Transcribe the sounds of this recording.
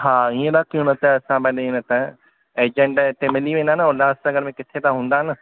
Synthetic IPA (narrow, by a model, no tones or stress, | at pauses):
ɦaːiːẽɗ̪akijũnɐt̪əɐsãbɐ̃ːeɪnət̪ə | eːd͡ʑə̃ɳɖʈemɪliʋẽːnd̪aɦɪnɪolaːsãɐɡəɾmẽkɪt̪ʰet̪ãɦũːn̆d̪aːɪnɪ̆